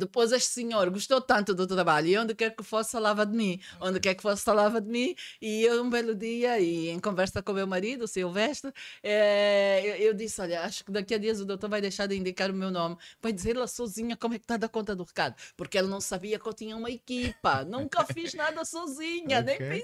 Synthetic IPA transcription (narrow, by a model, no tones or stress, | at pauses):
d̪ɨpojzeʃt̪sɨɲoɾɡuʃt̪owt̪ɐ̃nt̪ud̪ut̪ɾɐβaʎuiõnd̪ɨkɛɾkɨfosfɐlˠavɐd̪ɨmĩõnd̪ɨkɛɾkɨ̥fosfɐlˠavɐd̪ɨmĩiew̪ũbɛlˠud̪iɐiẽj̃kõvɛɾsɐkõmewmɐɾiðusewvɛʃt̪ɨɛewewd̪isɔʎɐaʃu̥kɨd̪ɐkiɐd̪iɐzud̪owt̪oɾvajd̪ejʃaɾd̪ĩnd̪ikaɾumewnomvajd̪izeɾlˠɐsɔziɲɐkomuɛk̚t̪ad̪ɐkõnt̪ɐd̪uʁɨkaðupuɾkɛlɐnɐ̃w̃sɐβiɐkõwt̪iɲɐumɐikipɐnũŋkɐfiʒnaðɐsɔziɲɐnẽj̃ĩ